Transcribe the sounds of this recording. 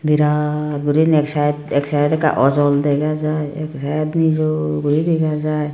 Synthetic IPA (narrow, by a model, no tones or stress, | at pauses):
d̪iɾaɡuɾineksajd̪eksajd̪eka̰ʔɔd͡ʒɔld̪ɛɡad͡ʒajḛksajd̪nid͡ʒɔɡuɾid̪eɡad͡ʒaj